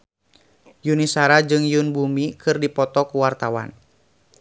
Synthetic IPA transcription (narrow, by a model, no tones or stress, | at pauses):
junisaɾad͡ʒɨŋjunbumikʰɨrdipɔt̪ɔkuwart̪awa̰n